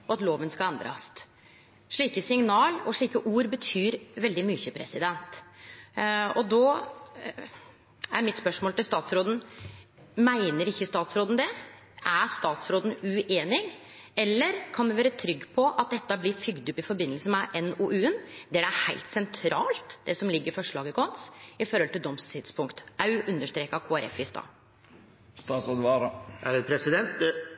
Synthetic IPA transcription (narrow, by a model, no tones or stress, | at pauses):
ɔɑt̪loːʋənskɑlɛnd̪ɾɑ̰st̪ | ʂɭiːkəsɪŋnɑːlɔʂɭiːkəʔuːɾbət̪ʰyːɾʋɛld̪ɪmʏçəpʰɾɛ̰sɪd̪ɛnt̪ | ɔd̪o | æɾmɪt̪spœʂmoːlɪlst̪ɑːt̪sɾoːd̪n̩ | mæɪnəɾɪçːəst̪ɑːt̪sɾoːd̪n̩d̪ɛ | ʔæɾst̪ɑːt̪sɾoːd̪n̩ʉʔeːnɪɡ | ɛlːəɾkʰɑnd̪ɛʋæːɾət̪ʰɾʏɡːpʰɔʔɑt̪̚d̪ɛt̪ːəɑblɪfʏɡd̪ʉpːɪfɔɾbɪnːəlsən̩mɛʔɛnoːʔʉːənd̪̥ɛædɛæɾhæɪlt̪sɛnt̪ʰɾɑːlt̪d̪̥ɛsɔmlɪɡːəɾfɔʂɭɑːɡəkʰɔnsɪfɔɾhɔlt̪ɪld̪ɔmst̪ʰɪd̪spʰʊŋkt̪æɾʉʔʉnːəʂt̪ɾeːkɑkʰoːæɾɛ̰fʋɪst̪ɑ̰ː | st̪ɑːt̪sɑd̪ʋɑɾæɾɛnpʰɾɛsɪd̪ɛnt̪̚